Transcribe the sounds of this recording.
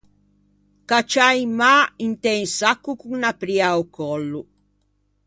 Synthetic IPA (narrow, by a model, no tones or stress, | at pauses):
kat͡ʃajmaint̪ɛnsakːukuŋnapɾiaukɔlːu